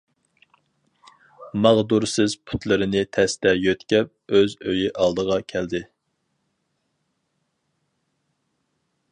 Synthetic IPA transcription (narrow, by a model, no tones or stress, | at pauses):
mɑʁd̪uɾsɪz̥pʰu̥t̪lˠɨɾɨnɪt̪ʰɛst̪ɛjøt̪kʲɛp̚øzøjiʔɑlˠd̪əʁɑkʲʰɛld̪ɪ